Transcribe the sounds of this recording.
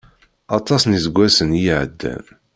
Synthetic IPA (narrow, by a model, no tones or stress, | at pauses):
ɑt̪ˤɑsnizəɡʷæsənjiʕəd̪ːæ̰n